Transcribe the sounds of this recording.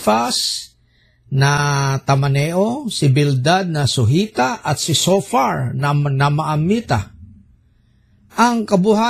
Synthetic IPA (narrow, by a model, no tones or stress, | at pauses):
fas | nat̪amanɛʔosɪbɪld̪ad̪̚nasʊɦit̪aʔat̪sɪsofaɹnanamaʔamit̪a̰ | ʔaŋkabʊha